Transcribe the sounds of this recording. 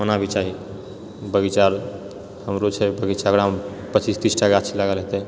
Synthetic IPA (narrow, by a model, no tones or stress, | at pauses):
ənabʱit͡ʃaɦi | bəɡit͡ʃaɾ | həmɾot͡ʃʰɛbəɡit͡ʃakɾam | pət͡ʃist̪isʈakaət͡ʃʰilaɡəlɦet̪ɛ